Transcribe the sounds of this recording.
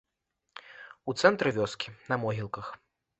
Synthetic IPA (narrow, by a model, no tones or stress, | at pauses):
ut̪sɛnt̪ɾɨvʲɔskʲʰinɐmɔɦʲilˠkɐx